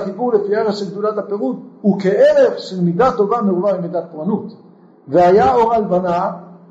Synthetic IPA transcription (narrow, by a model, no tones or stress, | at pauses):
kibuʁlefieʁeʃelɡ̚d̪ulat̪hape̞ʁud̪ukeʔeʁefʃelmidat̪o̞vameuvaimid̪at̪̚poʁanut̪ | veajaoʁalbana